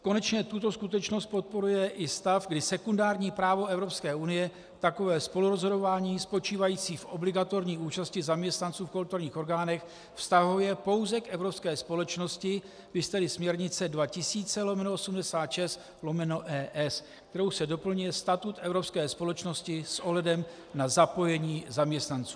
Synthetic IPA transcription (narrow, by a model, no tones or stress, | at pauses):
ko̞nɛt͡ʃɲɛt̪ut̪o̞skut̪ɛt͡ʃno̞st̪̚po̞t̪̚po̞ɾujɛʔɪst̪afɡdɪsɛkundaːɾɲiːpɾaːvo̞ɛvɾo̞pskɛːʔunɪjɛ | t̪ako̞vɛːspo̞luɾozɦo̞do̞vaːɲiːspo̞t͡ʃiːvajiːt͡siːfʔoblɪɡat̪o̞ɾɲiːuːt͡ʃascɪzamɲɛst̪nant͡suːfkolt̪uɾɲiːxo̞ɾɡaːnɛx | fst̪aɦujɛpo̞wzɛkʔɛvɾo̞pskɛːspo̞lɛt͡ʃno̞scɪ | vɪst̪ɛlɪsmɲɛɾɲɪt͡sɛdvacɪsiːt͡sɛlo̞mɛnoosumdɛsaːt̪ʃɛst̪ | lo̞mɛno̞ʔɛːʔɛs | kt̪ɛɾowsɛdo̞pl̩ɲujɛst̪at̪ut̪ʔɛvɾopskɛːspo̞lɛt͡ʃnoscɪsʔo̞ɦlɛdɛm | nazapo̞jɛɲiːzamɲɛst̪nant͡su̥ː